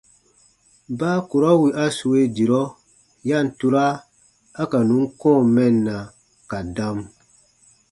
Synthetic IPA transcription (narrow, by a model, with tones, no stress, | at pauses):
baː˦ku˨ɾɔ˦wi˨ʔa˦su˨we˦di˨ɾɔ˦ | ja˦˨n̩˨tu˦ɾaː˦ | ka˨nũ˨˦ŋ˦kɔ̃ː˦˨mɛ˦˨nːa˨ | ka˨da˦m